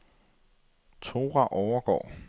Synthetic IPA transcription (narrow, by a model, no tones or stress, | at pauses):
t͡sʰoːʁɑʔɒʊɐɡ̥ɒ̰ː